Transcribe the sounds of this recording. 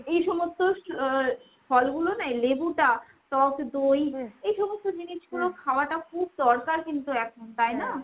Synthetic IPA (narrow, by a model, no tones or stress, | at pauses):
ejʃɔmost̪o | fʰɔlɡulonajlebuʈa | ʈɔkd̪ojejʃɔmost̪od͡ʑiniʃɡulokʰaoaʈakʰub̚d̪ɔɾkaɾkint̪uɛkʰont̪aena